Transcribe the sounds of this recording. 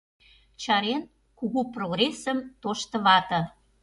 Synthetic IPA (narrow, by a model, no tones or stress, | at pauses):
t͡ɕɑɾen | kuɣuproɣresəmt̪oʃt̪ə̆βɑt̪ə̆